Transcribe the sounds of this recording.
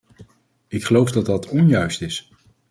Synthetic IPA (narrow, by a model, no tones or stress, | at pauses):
ɪkχəlowfdɑt̚dɑtʰɔnjœɥstɪs